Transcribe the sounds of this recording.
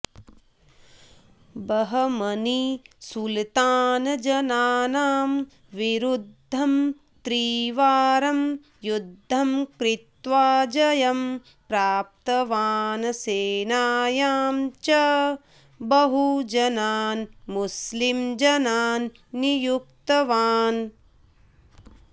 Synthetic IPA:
bɐɦɐmɐnisult̪aːnɐd͡ʒɐnaːnaːm | ʋiɾud̪ʱːɐm | t̪ɾiːʋaːɾɐm | jud̪ʱːɐmkɾit̪ʋaːd͡ʒɐjɐm | pɾaːp̚t̪ɐʋaːnɐseːnaːjaːmt͡ʃɐ | bɐɦud͡ʒɐnaːnmuslimd͡ʒɐnaːnː | ijuk̚t̪ɐʋaːn

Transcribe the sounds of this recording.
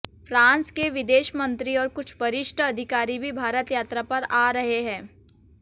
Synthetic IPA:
fɾãːnskeʋɪd̪eːʃmə̃nt̪ɾiɔːɾkʊt͡ʃʰʋɐɾɪʃʈəɐd̪ʱɪkaːɾibʱibʱaːɾət̪jaːt̪ɾapɐɾaːɾɐɦeɦɛ̃ː

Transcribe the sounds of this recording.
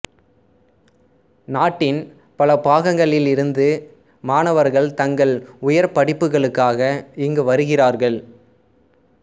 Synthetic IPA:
naːʈːɪn | pɐlɐpaːɣɐŋɡɐɭɪlɪɾɯnd̪ɯ | maːnɐʋɐɾɣɐɭt̪ɐŋɡɐɭʊjɐɾpɐɽɪpːɯɣɐɭɯkːaːɣɐɪŋɡɯʋɐɾɯɣɪraːɾɣɐɭ

